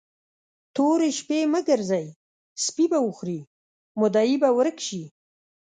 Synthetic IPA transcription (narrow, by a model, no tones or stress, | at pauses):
t̪oɾeʃpeməɡəɾzaj | spibawəxɾi | mʊd̪ɑjibawəɾəkʃi